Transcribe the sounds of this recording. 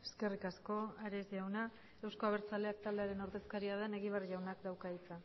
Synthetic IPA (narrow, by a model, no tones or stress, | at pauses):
eske̞rikasko̞aɾe̞zʝawna | e̞wsko̞aβ̞e̞ɾt͡sale̞ak̚t̪ald̪e̞aɾe̞no̞ɾðe̞skaɾiað̞e̞ne̞ɣiβ̞ariʝawnakd̪awkait͡sa